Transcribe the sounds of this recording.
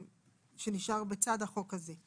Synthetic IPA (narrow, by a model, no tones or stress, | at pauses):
ʃe̞niʃaʁbet͡sad̪haχo̞kaze